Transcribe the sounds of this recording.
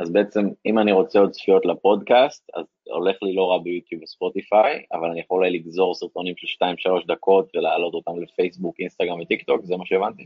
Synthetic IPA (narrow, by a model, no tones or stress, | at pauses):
azbeet͡se̞mimaniʁo̞t͡seo̞d̪sfijo̞t̪lapo̞dkast̪a̰z | o̞̰le̞χlilo̞ʁabejut̪jubespo̞t̪ifaja̰valanijaχolajliɡzo̞ʁsiʁt̪onimʃelʃtaimʃalo̞ʃd̪ako̞t̪velaːlo̞t̪o̞t̪amlefe̞jsbukinst̪aɡʁaɱvet̪ikt̪o̞kzemaʃeevant̪i